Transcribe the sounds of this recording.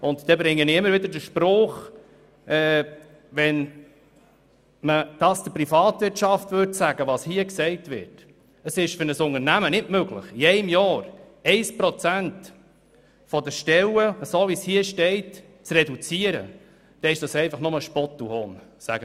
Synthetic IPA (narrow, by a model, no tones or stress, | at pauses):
ʊntd̥ɛbɾɪŋːənɪɪmːəɾʋɪd̪əɾdəʃpɾoːχ | ɛː | vɛn | məd̥ɑsd̥əpɾifɑːtvɪɾtʃɑftʋʏɾtsæɡəʋɑshiəksɛɪtʋɪ̰ɾt | əsɪʃfʏɾnəsʊŋəɾnæmənɪtmøɡlə̰χjɛɪɪmjɑːɾ | ɛɪspɾɔt͡sænt | fɔdəʃtɛləsoːvishiəʃtɛɪt | t͡srɛdut͡siəɾə̰ | d̥ɛɪʃd̥ɑsɛɪfɑχnʊməʃpɔtːuhoːnsæ̰ɡə